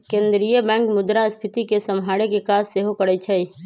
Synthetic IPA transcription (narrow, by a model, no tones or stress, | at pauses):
kẽːnd̪ɾijəbɛ̃ːŋkmʊd̪ɾaəspʰɪt̪ikesɐmɦaːɽekekaːsːeɦopəɽət͡ʃʰəi